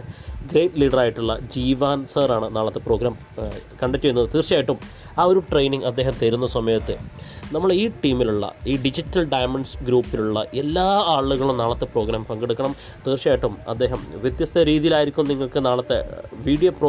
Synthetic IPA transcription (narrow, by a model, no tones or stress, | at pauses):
ɡɾejʈliːɽɐraːjiʈːuɭːɐ̰d͡ʑiːʋaːnsɐːɾaːɳɨnaːɭɐt̪ːepro̞ːɡɾaːm | kɐɳɖɐktːejunːɐðɨt̪iːrɕjaːjiʈːum | aːo̞ɾuʈrejniŋɡɐd̪ːe̞ːɦɐmt̪eɾunːɐsɐmɐːjɐt̪ːɨnɐmːɐɭiːʈiːmiluɭːɐ̰iːɖid͡ʑitːɐlɖɐjmɐɳɖsɡɾuːpːiluɭːɐ̰ʔe̞lːaːaːɭːuɣɐɭumnaːɭɐt̪ːepro̞ːɡɾaːmpɐŋɡeɽukːɐɳɐm | t̪iːrt͡ɕijaːjiʈːumɐ̰d̪ːe̞ːɦɐmʋjet̪jɐst̪ʰɐɾiːðijilaːjiɾikʲːumnniŋːɐɭkɨnaːɭɐt̪ːḛʋiːɖijoproː